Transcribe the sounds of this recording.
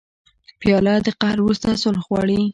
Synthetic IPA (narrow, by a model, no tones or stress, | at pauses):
pjɑlɑd̪əqahɾwɾust̪asʊlxwɑɽi